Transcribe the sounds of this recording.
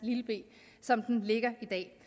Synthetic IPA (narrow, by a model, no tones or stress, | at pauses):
liləb̥e̝̰ː | sɒ̽md̥enle̝ɡ̥ɐid̥ɛ̰ː